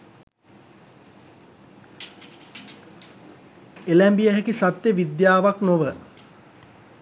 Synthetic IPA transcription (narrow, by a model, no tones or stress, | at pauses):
elæmbijəɦekisat̪jəʋid̪jaːʋaknoʋə